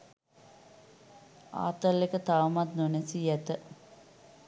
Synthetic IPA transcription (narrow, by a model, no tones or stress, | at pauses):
a̰ːt̪əlːekət̪aʋɐmat̪nunesiɛt̪ə